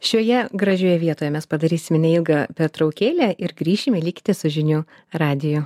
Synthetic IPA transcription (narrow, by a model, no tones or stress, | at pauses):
ʃʲuɔjɛɡɾɐʒʲuːjɛʋʲiɛt̪oːjɛmʲɛspɐd̪ɐɾʲiːsʲɪmʲnʲɛilˠɡɐpʲɛɾt̪ɾɒʊkʲeːlʲæʔɪɾɡɾʲiːʃʲɪmʲɛlʲiːkʲt̪ʲɪsʊʒʲɪnʲuː | ɾɑːd̪ʲɪjʊ